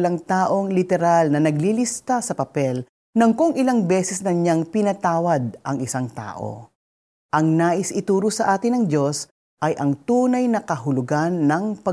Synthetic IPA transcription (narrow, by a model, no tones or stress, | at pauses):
lɐŋt̪aːʔo̞ŋlɪt̪ɛɾalnɐnɐɡlilist̪asɐpɐpɛl | nɐŋkʊŋʔɪlaŋbɛːsɛsnɐɲaŋpɪnɐt̪aːwɐd̪̚ʔɐŋɪsaŋt̪a̰ːʔo̰ | ʔɐŋnaːʔɪsʔɪt̪uːɾʊsɐʔaːt̪ɪnɐŋd͡ʒo̞s | ʔɐjʔɐŋt̪uːnɐjnɐkɐɦʊlʊɡanːɐŋpɐ